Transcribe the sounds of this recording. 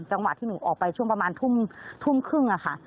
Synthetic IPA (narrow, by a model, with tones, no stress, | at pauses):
t͡ɕa˧ŋwa˨˩t̪ʰːiː˥˩uː˩˦ʔɔ̰ː˨˩k̚pa˧jt͡ɕʰu˥˩əŋpɾa˧maː˧nt̪ʰu˥˩mt̪ʰu˥˩mkʰɯ˥˩ŋʔa˨˩kʰa˥˩